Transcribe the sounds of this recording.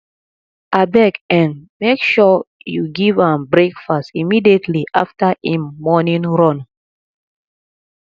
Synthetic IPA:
ʔabɛkɛ̃nmekʃɔjuɡivãmbɹekfastimidietʰliʔa̰ftaʔemɔnĩnɹɔ̃n

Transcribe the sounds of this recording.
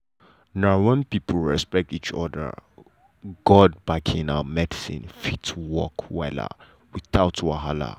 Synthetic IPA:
nawɛ̃npipʰəl̩ɹɛspɛk̚tit͡ʃɔdə̰ | ɡ̥ɔd̚bakʰĩnaəmɛdisḭ̃nfitʰwɔkʰwɛla̰ | wiθaʊtwaɦala̰

